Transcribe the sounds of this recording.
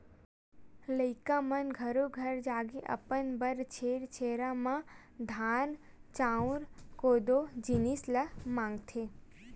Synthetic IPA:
ləjkãmənɡʱəɾoɡʱəɾd͡ʒaːɡeʔə̰pənbəɾt͡ʃʰeɾt͡ʃʰeɾamã | d̪ʱan | t͡ʃãũɾkod̪od͡ʒinisləmãŋɡt̪ʰe

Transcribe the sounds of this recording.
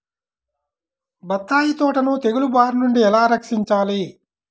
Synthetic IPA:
bɐt̪ːaːjit̪ɔːʈɐnut̪e̞ɡulubaːɾnuɳɖiɛlaːɾɐkʂiɲt͡ʃaːli

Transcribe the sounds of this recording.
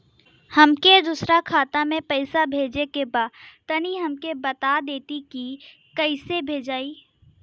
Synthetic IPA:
hɐmked̪usɾakʰaːt̪amẽpɐɪsabʱeːd͡ʒekebaːdt̪ɐniɦɐmkebɐt̪ad̪eːt̪iki | kɐɪsebʱeːd͡ʒaːiː

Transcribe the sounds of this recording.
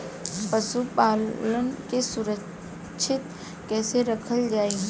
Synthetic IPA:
pəsupaːlənkesʊɾə | ʃʰɪt̪ | kɛːseɾəkʰəld͡ʒaːiɦ

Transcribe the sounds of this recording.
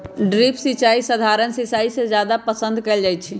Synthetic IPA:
ɖɾipʰsit͡ʃaisəd̪ʱaɾənsisaised͡ʒjad̪apəsə̃nd̪ʱkeːld͡ʒajt̪t͡ʃʰi

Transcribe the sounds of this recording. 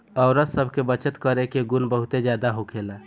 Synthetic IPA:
əʊɾasəbʱkebət͡ʃət̪kəɾekeɡunbəɦut̪ed͡ʒjad̪aɦokʰela

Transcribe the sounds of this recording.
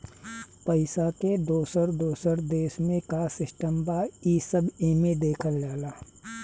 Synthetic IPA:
pəɪsaked̪oːsəɾd̪oːsəɾd̪eːsmẽkasɪsʈəmbaːiːsəbeːmẽd̪eːkʰəld͡ʒaːlaː

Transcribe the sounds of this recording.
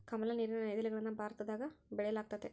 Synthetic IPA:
kɐmɐlɐniːɾɐnɐnɐjd̪ɐliɡɐɭɐnːɐbaːɾt̪ɐd̪aːɡɐbɛɭɛjɐlaːk̚t̪ɐd̪e

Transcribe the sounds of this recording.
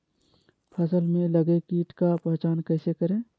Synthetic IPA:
pʰəsəlmẽləɡekiːʈkapɛɦt͡ʃaːnkɛːsekəɾẽː

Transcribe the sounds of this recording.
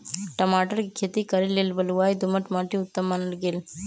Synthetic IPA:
ʈəmaʈəɾkkʰet̪ikəɾilːelbəluʋajd̪uməʈmaʈʰĩut̪ːəmːanəɽɡeːl

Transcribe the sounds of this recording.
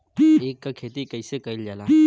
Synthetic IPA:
ekːakʰet̪ikəjsekəild͡ʒala

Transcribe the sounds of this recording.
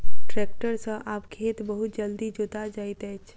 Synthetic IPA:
ʈɾek̚ʈəɾsə̃ʔapkʰet̪bəɦut̪̚d͡ʒəld̪id͡ʒot̪ad͡ʒajt̪ɛjt͡ʃʰ

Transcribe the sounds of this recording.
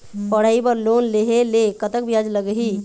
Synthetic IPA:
pəɽ̤aːibəɾlonleɦelekət̪əkbʱijad͡ʒləɡɦi

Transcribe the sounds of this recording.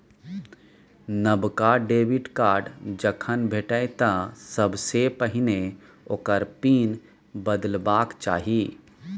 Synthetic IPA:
nəbkaɖeːbɪʈkaːɾɖd͡ʒəkʰənbʱeːʈəjt̪asəbsepəɦɪne | oːkəɾpiːn | bəd̪əlbaːkt͡ʃa̰ːɦiː

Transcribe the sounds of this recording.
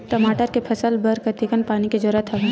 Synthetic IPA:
ʈɐmaːʈəɾkepʰɐsəlbəɾkɐɾt̪ikənpaːniked͡ʒoɾət̪ʰɐ

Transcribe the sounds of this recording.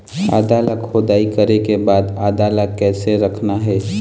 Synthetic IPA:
a̰ːd̪aːləkʰːoːd̪aːikəɾekebaːd̪aːd̪aːləkːɛːseɾəkʰnaɦɛː

